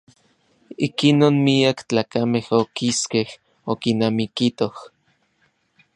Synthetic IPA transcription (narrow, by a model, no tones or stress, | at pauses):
ikinoːnmiakt͡ɬaːkamehokiskeh | okinamikit̪oh